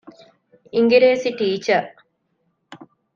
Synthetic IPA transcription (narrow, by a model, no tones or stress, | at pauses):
iŋɡiɾeːsiʈiːt͡ʃɐ